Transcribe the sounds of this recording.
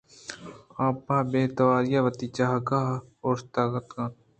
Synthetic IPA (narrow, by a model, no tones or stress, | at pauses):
ãːpãːbeːt̪ɐʋaːɾijaʋət̪it͡ʃaɦkaoːɾt̪aːkət̪kãː